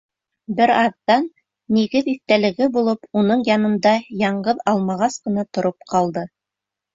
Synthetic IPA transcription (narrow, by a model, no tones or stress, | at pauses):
bɘɾɑðːɑnː | iɡɘðiθt̪ælɘ̆ɡɘbulˠɤpunɤɴjɑnɤ̆nd̪ɑjɑɴɢɤðɑlˠmɑʁɑsqɤ̆nɑt̪ŏɾop̚qɑlˠd̪ɤ